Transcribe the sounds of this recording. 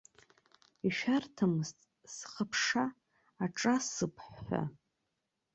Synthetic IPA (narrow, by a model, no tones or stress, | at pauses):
iʃᶣartʰɨmɨztʼ | sχəpʰʂaː | ʈ͡ʂʼasɨpʰħːʷa̰